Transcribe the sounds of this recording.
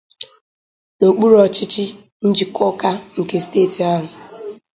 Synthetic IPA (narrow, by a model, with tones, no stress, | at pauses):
no˨k͡pu˦ɾɔ˨t͡ʃɪ˦t͡ʃɪ˦ | n̩˦d͡ʒi˨kʰɔ˦ka˦ŋ̩˨ke˨steː˦˨ti˨a˦ɦʊ˨